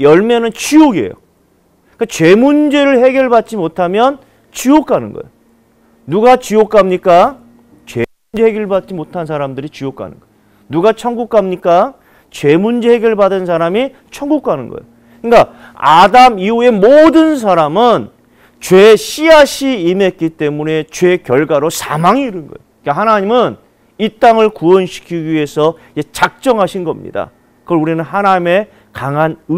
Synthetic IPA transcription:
jʌɭmenɯnt͡ɕioɡiḛjo̰ | kat͡ɕwe̞mund͡ʑe̞ɾɯɭhe̞ɡjʌɭbat̚t͡ɕ͈imotʰamjʌn | t͡ɕiokʰanɯnɡʌ̰jo | nuɡat͡ɕijok͈ʰamɲik͈a | t͡ɕwemund͡ʑe̞he̞ɡjʌɭbat̚t͡ɕ͈imotʰans̬ʰaɾamdɯɾit͡ɕiok͈ʰa̰nɯ̰nɡ̥ʌjoo | nuɡat͡ɕʰʌŋɡuk͈̚ʰamɲik͈a | t͡ɕwe̞mund͡ʑe̞he̞ɡjʌɭbadɯns̬ʰaɾami | t͡ɕʰʌŋɡuk͈ʰanɯ̰nɡʌ̰jo | ika | adamiue̞modɯns̬ʰaɾamɯn | t͡ɕwe̞ɕʰiaɕʰiːme̞t̚k͈it͈e̞mune̞t͡ɕwe̞kjʌɭɡaɾosʰa̰maŋiːɾɯnɡʌ̰joik͈ahanaɲimɯn | it͈aŋɯɭkuʌnɕʰi̥kʰiɡie̞sʰʌ | et͡ɕak̚t͡ɕ͈ʌŋɦaɕʰinɡʌmɲḭda̰ | kɯʌɭuɾinɯnɦanaɲime̞ | kaŋanɯ

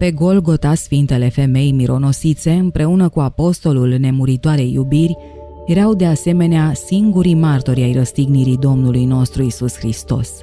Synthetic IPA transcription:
pe̞ɡo̞lɡo̞t̪asfint̪e̞le̞fe̞me̞jmiɾo̞no̞sit̪se̞ɨmpɾe̞unəkuapo̞st̪o̞lulne̞muɾit̪oaɾejːubirʲ | jeɾawd̪e̞ase̞me̞neasiŋɡuɾimart̪o̞ɾʲajrəst̪iɡniɾid̪o̞mnulujno̞st̪ɾuisusxɾist̪o̞̰s

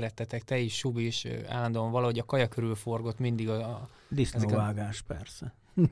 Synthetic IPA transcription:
ɾɛt̪ːɛt̪ɛk̚t̪ɛiʃʃubiʃa̰ːlːɒnd̪uloɱvɒlɒɦo̞ɟɒkɒjɒkøɾylfo̞rɡo̞t̪mind̪iɡɒ | d̪isnɛzɛkvaːɡaːʃpɛ̰rsɛ

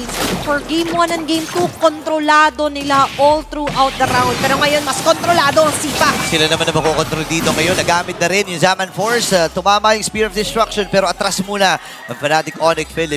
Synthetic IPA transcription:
foɹɡejmwɐnɐnɡejmt̪ukont̪ɾolaːd̪o̞nɪlaʔolt̪ɾuʔawt̪̚d̪ɐɾaw̃nd̪̚pɛːɾoŋɐjonmɐskont̪ɾolaːd̪o̞siːpɐsɪlanɐmanɐmɐkokont̪ɾold̪iːd̪o̞ŋɐjo̞nːɐɡaːmɪt̪̚nɐɾɛnjʊŋzamɐnfoɹsɐt̪ʊmaːmajʊŋspiɹofd̪ɛst̪ɾakʃonpɛːɾo̞ʔɐt̪ɾasmuːnɐ | ʔɐŋfɐnat̪ɪkʔonɪk̚fɪlɪ

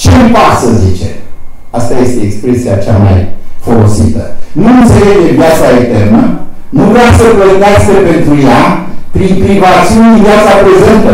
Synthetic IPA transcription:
t͡ʃe̞mpaksəzit͡ʃe̞̰ | ast̪aje̞st̪e̞ːkspɾesija̰t͡ʃa̰ma̰jfo̞lo̞sit̪ənuɨnt̪se̞leɡd̪e̞vjat̪saekt̪e̞rnə | nuvɾeasəpət̪askəpe̞nt̪ɾujapɾinpɾivat̪siuninvjat̪sapɾe̞ze̞nt̪ə

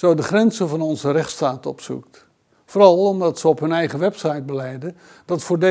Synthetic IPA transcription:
zowdəχrɛnzəvɑnɔnzərɛχtstaːtɔ̰psṵk̚t | foːɾɑlˠɔmdɑtsəɔpɦɵnɛjχəʋɛpsɑjd̚bəlɛjdə | dɑtfʊːɹde

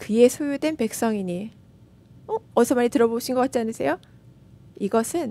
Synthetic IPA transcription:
kɯe̞sʰojudwe̞npe̞k̚s͈ʌŋiɲi | oʌsʰʌmaɲitɯɾʌboɕʰinɡʌkat̚t͡ɕ͈ianɯsʰe̞̰jo | iɡʌsʰɯn

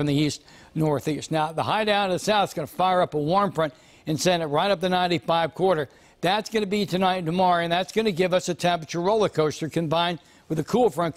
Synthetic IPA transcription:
ʌ̃mðiist | nɔɹθistⁿnaʊðəhaɪdãʊ̃nʌðɨsaʊθsɡ̥ʌnəfaɪə˞ʌpəwɔɹmpɹ̥ʌ̃nt | ɨ̃nsɛ̃nɨt̚ɹaɪɾʌp̚ðɨnãɪ̃ntifaɪv̥kʰw̥ɔɹɾə˞ | ðætsɡ̥ʌnɨbiɾɨnaɪɾn̩ɨmɑɹɨ̃nðætsɡ̥ʌnɨɡɪvʌsɨtʰæ̃pɨt͡ʃə˞ɹoʊlˠəkʰoʊstə˞kʰɨ̃mbãɪ̃nd̚ | wɨðɨkʰulˠfɹʌ̃n

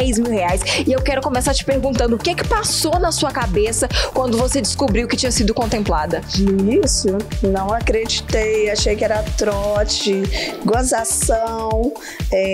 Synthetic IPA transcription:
ejzmiwheajsɪewkɛɾʊkõmesaɾt͡ʃɪ̥peɾɡũnt̪ɐ̃nd̪ʊʊkekɪ̥pasonɐsuɐkabesɐkwɐ̃nd̪ʊvosed͡ʒɪskubɾiwʊkɪt͡ʃĩɲɐsid̪ʊkõnt̪ẽmplad̪ɐisʊnɐ̃w̃akɾed͡ʒit̪ejaʃejkɪɛɾɐt̪ɾɔt͡ʃɪɡozasɐ̃w̃ | ɛ

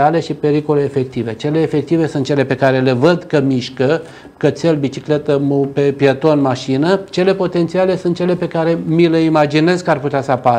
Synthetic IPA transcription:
ale̞ʃipe̞ɾiko̞le̞ːfe̞k̚t̪ive̞t͡ʃe̞le̞ːfe̞k̚t̪ive̞sunt̪̚t͡ʃe̞le̞pe̞kaɾe̞le̞vəd̪kəmiʃkə | kət̪selbit͡ʃikle̞t̪əmupepjet̪o̞nmaʃinət͡ʃe̞le̞po̞t̪e̞nt̪siale̞sunt̪̚t͡ʃe̞le̞pe̞kaɾe̞mileimad͡ʒine̞zkəarput̪easəapaɾ

